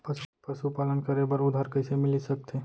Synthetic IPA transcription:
pəpɐʃupaːlənkɐɾebəɾʊd̪ʱaːɾkɐɪsemɪlisɐk̚t̪ʰe

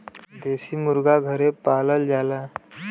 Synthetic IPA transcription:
d̪esiːmuɾɡaɡʱəɾepaləld͡zala

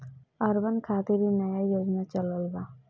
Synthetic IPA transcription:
aɾbankʰat̪iɾinajajjoɡnat͡ʃɔlɔlba

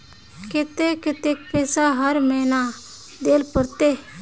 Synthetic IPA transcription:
kɪt̪eːkɪt̪eːk̚pɛːsaːɦəɾmənaː | d̪eːlpəɾt̪eː

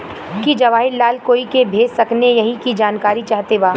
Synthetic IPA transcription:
kid͡ʒɐʋaːɦɪllːaːlkoːikebʱeːd͡ʒsɐknejɐɦĩkid͡ʒaːnkaːɾit͡ʃaːɦt̪ebaː

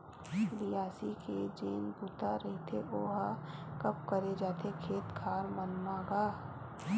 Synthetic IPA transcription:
bijaːsiked͡ʒeːnbuːt̪aɾɐɦit̪ʰeʔoːɦakɐp̚kəɾed͡ʒaːt̪ʰekʰeːt̪kʰaːɾmənmãːɡaː

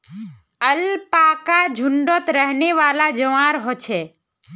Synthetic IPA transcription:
əlpaːkad͡ʒʱʊɳɖɔt̪ɾəɦneʋaːlad͡ʒəʋãːɾɦot͡ʃʰeː

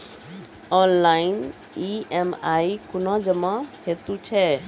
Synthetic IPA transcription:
ɔnlain | iemaikʊnɔ̃d͡ʒəmãhet̪ut͡ʃʰɛ

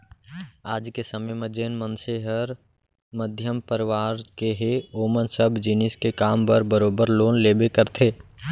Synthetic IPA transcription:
aːd͡ʒkesəməjməd͡ʒeːnmənseɦəɾ | məd̪ʱjəmpəɾɪʋaːɾkeɦeoːmənsəbʱd͡ʒɪnɪskekaːmpəɾbəɾoːbəɾloːnleːbekəɾt̪ʰeː

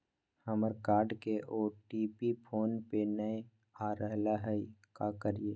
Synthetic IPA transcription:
həməɾkaːɾɖkeʔoːʈiːpipʰoːnpenəe | aːɾəɦlaɦɛikakəɾieː

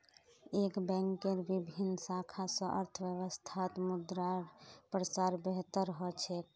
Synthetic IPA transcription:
ekbɛ̃ŋkːeɾbibʱinːsakʰasə̃ʔə̰ɾt̪ʰəʋjəʋəst̪ʰat̪mud̪ɾaɾpɾəsaɾbeɦt̪əɾəɦɔt͡ʃʰek

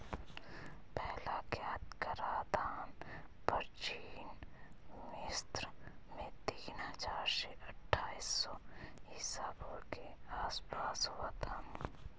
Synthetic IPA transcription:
pɛɦlakjaːt̪kəɾaːd̪aːnpəɾt͡ʃiːn | mɪst̪ɾmẽt̪iːnɦəzaːɾʃeʔɐʈʰːaːisːɔɦɪsaːbokeaːspaːsɦoat̪ʰaː

